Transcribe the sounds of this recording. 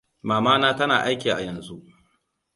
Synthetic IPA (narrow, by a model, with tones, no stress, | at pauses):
maː˨maː˦naː˦tɐ˦naː˨ʔa˦jkʲiː˨ʔa̰˨jɐ˨nzu˦ʔ